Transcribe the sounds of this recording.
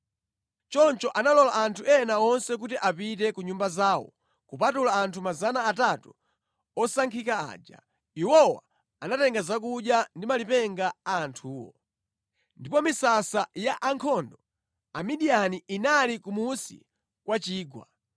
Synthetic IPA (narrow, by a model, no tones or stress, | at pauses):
t͡ʃɔnt͡ʃɔʔanalɔlaʔantʰuɛnaɔnsɛk̬utiʔapit̬ɛkuɲumbazaːwɔ̰ | kupatulaːntʰumazanaːtatu | ɔsaŋkʰikaa̰ːd͡ʒa̰ | iwɔwa̰ | anatɛŋɡazak̬uɗjandimalipɛŋɡaaːntʰuːwɔ̰ | ndipɔmisasajaʔaŋkʰɔndɔ | amiɗianiʔinalikumusḭ | kwat͡ʃiːɡwa̰